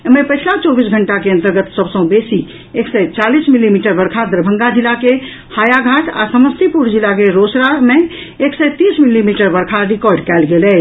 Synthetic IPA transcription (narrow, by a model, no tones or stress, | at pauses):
mepəjt͡ʃʰlat͡ʃɔbisɡʱəɳʈakeənt̪əɾɡət̪səbsə̃besi | eksɛt͡ʃalismilimiʈəbəɾkʰad̪ɾəbʱə̃ŋɡad͡ʒilːake | hajaɡʱaʈ̪a̰səməst̪ʰipuɾd͡ʒilːakeɾosɾame | eksɛt̪ismilːimiʈəɾbəɾkʰaɾikɔɾɖkɛlɡelɛ